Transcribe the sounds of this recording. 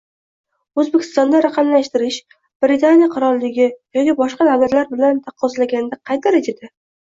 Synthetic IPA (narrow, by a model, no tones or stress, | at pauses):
ɵzbekʲʰɪ̥st̪ɒnd̪aɾaqʰɑmlaʃt̪ɪɾɪʃ | b̥ɾɪt̪ʰanijaqʰʊɾɒlˠːɪɡʲɪjɒkʲibɒʃqɑnavbat̪laɾbɪlant̪ʰaqʰːɒzlaɡʲanɪd̪aqʰɑjt̪ʰaɾed͡ʒad̪a